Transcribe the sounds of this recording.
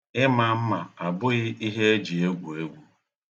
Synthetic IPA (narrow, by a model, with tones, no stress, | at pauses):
ɪ˦ma˨m̩˦ma˨a˨bʊ˦ɣɪ˦ʔi˦ɦe˦e˦d͡ʒi˨e˦ɡʷu˨e˦ɡʷu˦